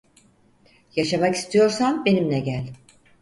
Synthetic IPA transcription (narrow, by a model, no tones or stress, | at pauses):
jaʃamaki̥st̪ʰijo̞ɾsanbe̞nimnʲɛɟælʲ